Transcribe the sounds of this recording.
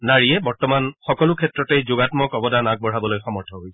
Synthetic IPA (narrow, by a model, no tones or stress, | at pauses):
naɹijɛbɔɹtɔmanxɔkɔlʊkʰɛtɹɔtejzʊɡatmɔkɔbɔdanak̚bɔɹ̤abɔlojxɔmɔɹtʰɔɦoj